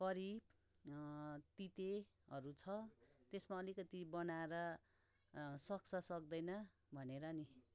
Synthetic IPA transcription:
kʌɾib | t̪it̪e | ɦʌɾut͡sʰʌt̪esmaʌlikʌt̪ibʌnaeɾʌ | sʌk̚t͡sʰʌsʌk̚d̪ʌjnʌ | bʱʌneɾʌni

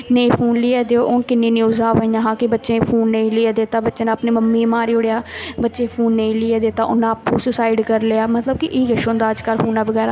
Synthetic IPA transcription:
neĩːpʰuːnlɪːɛːd̪eoːʔõːnkɪnːeːnjuːzaːʋaːĩjãːɦãːkɪbətːʃẽːpʰuːnːəĩːlɪːeːd̪eːt̪aːbətːʃeːnaːəpneːməmːiːmaːɾiːʊɽejaːbətːʃeːpʰuːnːẽĩːlɪːɛːd̪eːt̪aːʔʊnãːpũːsʊsaːɪɖkəɾleaːmət̪ləb̚kɪʔiːɡəʃoːnd̪aːəd͡ʒkəlpʰuːnaːbəɡɛːɾaː

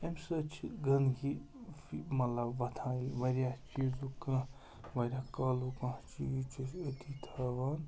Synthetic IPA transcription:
emsɐt͡ʃʰiɡɐnɡi | fimɐt̪lɐbʋɐt̪ʰaːilʋɐɾʲjat͡ʃizukɐ̃ | ʋɐɾʲaːkɐːlukɐ̃t͡ʃit͡ʃʰusɐt̪ʰit̪ʰɐʋɐn

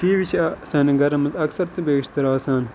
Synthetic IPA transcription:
t͡ʃiːʋit͡ʃʰːsaːnɐɡɐɾɐmɐzɐksɐɾt̪ɨbeːʃt̪ɐɾaːsaːn

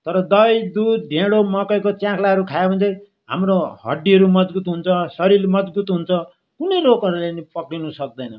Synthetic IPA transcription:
t̪ʌɾʌd̪ʌjd̪ud̪̚ɖʱẽɽomʌkʌjkot͡sjãkʰlaɦʌɾukʰajebʌnt̪ʌj | ɦa̰mɾohʌ̰ɖːiɦʌɾumʌd͡zbut̪ɦunt͡sʰʌsʌɾilmʌd͡zbut̪ɦunt͡sʰʌ | kunʌjlokʌɾulenipʌkɽinusʌk̚d̪ʌjnʌ

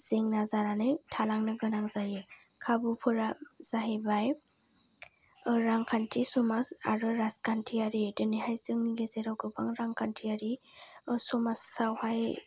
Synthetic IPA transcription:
z̥eŋnazaɾanɯjtʰalaŋnɯɡɯnaŋzajɯ | kʰabupʰɯɾaz̥aɦebaj | ɾaŋkʰantʰisɔmasa̰ɾɯɾaskantʰiaɾidɯniɦajzɯŋniɡezeɾawɡɯbaŋɾaŋkʰantʰiaɾi | sɔmasːawhaj

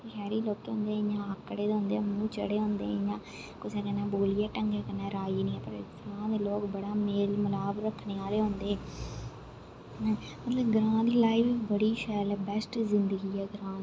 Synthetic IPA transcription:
ʃɛːɾiːloːkeɦõːnd̪eːɦjãːəkːɽeːd̪eːnd̪eːmũːt͡ʃəɽeːɦõːnd̪ḛ̃ːjãː | kʊseːkənːãːboːlɪjaːʈəŋɡeːkənːãːɾaːiːnĩːɛpəɾɪst̪əɾãːd̪eːloːkbəɽaːmeːlməlaːbɾəkʰːɳeːaːleːɦõːnd̪eːɛː | mət̪ləbɡɾãːd̪iːlaːiʋbəɽiːʃɛːlːbɛsʈzɪnd̪əɡiːɛːɡɾãː

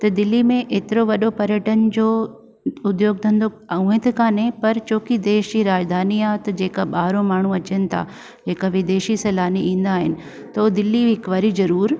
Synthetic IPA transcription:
t̪ɐd̪ɪlːimẽʔeːt̪ɪɾoʋɐɗopɐɾjəʈənd͡ʑoː | ʊd̪joːɡ̚d̪ʰʱə̃nd̪o | ũːɦẽt̪ʰɪkaːnẽpɐɾt͡ɕoːkid̪eːʃd͡ʑiɾaːd͡ʑd̪ʱaːniaːt̪ɐd͡ʑeːkaɓaːɾõmaːɳ̤uɐt͡ɕənɪ̆t̪ʰa̰ː | d͡ʑeːkaʋɪd̪eːʃisɐlaːniĩːn̆d̪aːɦɪnɪ̆ | t̪ɐod̪ɪlːiɪkʋaɾizɐɾuːɾ

